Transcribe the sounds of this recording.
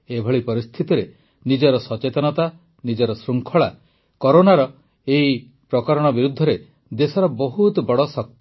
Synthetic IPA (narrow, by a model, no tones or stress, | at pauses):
ebʱɔɭipɔɾist̪ʰit̪ɔɾe | nid͡ʒɔɾɔsɔt͡ʃet̪ɔnɔt̪a | nid͡ʒɔɾɔsɾuŋkʰɔɭa | kɔɾonaɾɔ | ei | pɾɔkɔɾɔɽ̃ɔbiɾud̪ʱːɔɾe | d̪esɔɾɔbɔɦut̪bɔɽɔsɔk̚t̪